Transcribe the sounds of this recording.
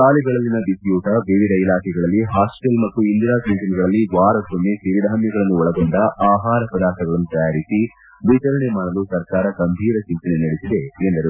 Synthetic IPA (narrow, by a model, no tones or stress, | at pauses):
kaːliɡɐɭɐlːinɐbisjuːʈɐbeːʋiɾɐilaːkʰɛɡɐɭɐlːiɦaːsʈelmɐt̪ːuind̪iɾaːsɐnʈɐnɐɡɐɭɐlːiʋaːɾɐsonːesiɾid̪ʱaːɐmjɐɡɐɭɐnːuɔɭɐɡoɳɖɐʔaːɦaːɾɐpɾɐd̪aːkɐɡɐɭɐnːut̪ɐjaːɾisi | ʋit͡ʃɐɾɐɳemaːnɐlusɐɾkaːɾɐkɐmbʱiːɾɐt͡ʃimt̪ɐnenɐɽesid̪eend̪ɐɾu